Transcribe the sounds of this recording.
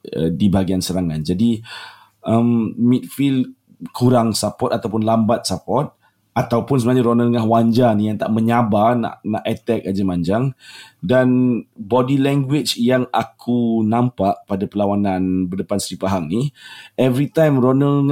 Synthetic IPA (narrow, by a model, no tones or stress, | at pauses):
ə̰dibaɡiansəɾaŋand͡ʒadi | ʔəmmit̪̚fild | kʰuɾaŋsapɔt̪at̪awpʊnlambat̪̚sapɔt̪̚ | at̪awpʊnsəbənaɲaɾonəŋahwaɲd͡ʒanijaŋt̪a̰ʔmə̃ɲabarna̰ʔnaʔɛt̪ɛk̚ad͡ʒamaɲd͡ʒaŋdanbɔdilɛŋɡwɪt͡ʃjaŋakʰunãmpaʔpadapəlawanãnbərdəpansəɾipaɦaŋniɛvɾit̪ajmronə